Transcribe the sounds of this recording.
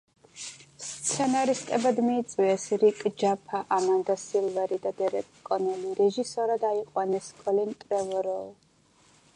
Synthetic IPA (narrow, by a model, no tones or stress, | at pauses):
st̪sʰɛnaɾist̪ʼɛbad̪miːt̪sʼiɛsɾikʼd͡ʒapʰaʔamand̪asilˠvɛɾid̪ad̪ɛɾɛt̪ʼkʼɔnɛliɾɛʒisɔɾad̪aiqʼwanɛskʼɔlint̪ʼɾɛvɔɾɔlˠ